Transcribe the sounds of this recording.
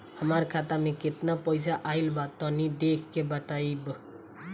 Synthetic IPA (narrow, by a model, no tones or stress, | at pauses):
həmaɾkʰat̪amẽkɪt̪napəɪs̬aʔailbat̪ɔnid̪ekʰkebət̪aib